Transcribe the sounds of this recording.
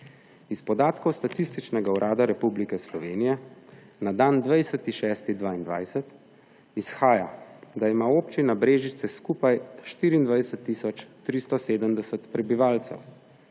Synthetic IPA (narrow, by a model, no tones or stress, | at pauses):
ispɔd̪aːt̪kɔwst̪at̪ist̪it͡ʃnɛɡauɾʔaːd̪aɾɛpublikɛslɔʋeːnijɛ | nad̪aːnd̪ʋajsət̪iʃɛːst̪id̪ʋaːind̪ʋa̰ːjsɛt̪ | isxaːja̰d̪aimaopt͡ʃinabɾeːʒit̪sɛskupajʃt̪iːɾiːnd̪ʋajsət̪ːisɔt͡ʃt̪ɾist̪ɔseːd̪əmd̪ɛsət̪pɾɛbiʋaːlt̪sɛ̰w